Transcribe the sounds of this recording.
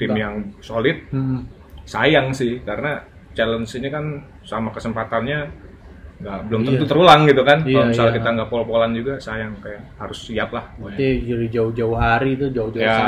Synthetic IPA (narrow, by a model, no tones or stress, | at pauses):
t̪ɪmjaŋsolɪt̪̚ | sajaŋsɪhkaɾəna | t͡ʃalənsinikan | samakəsəmpat̪anɲa | ŋɡaʔbəlʊmt̪ənt̪ut̪əɾulaŋɡit̪ukankalomissalakit̪aŋɡaʔpolpoland͡ʒuɡasajaŋkajaʔhaɾʊsːiaplahid͡ʒɾid͡ʒaʊhd͡ʒaʊɦaɾit̪ud͡ʒaʊd͡ʒuja